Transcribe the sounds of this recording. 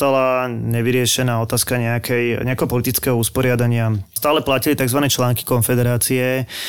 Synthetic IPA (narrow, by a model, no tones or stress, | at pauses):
t̪alaɲɛʋiɾɪɛʃɛnaːɔt̪aːskaɲɛakʰɛjɲɛakɛɦɔpɔlit̪it͡skɛɦɔuspɔɾɪad̪aɲɪast̪aːlɛplacilit̪aɡzʋanɛːt͡ʃlaːŋki̥kɔnfɛd̪ɛɾaːt͡siɛ